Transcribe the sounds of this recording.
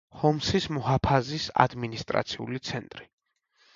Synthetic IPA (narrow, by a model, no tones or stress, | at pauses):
hɔmsismɔhapʰazisa̰d̪minist̪ʼɾa̰t̪sʰiṵlit̪sʰɛnt̪ʼɾi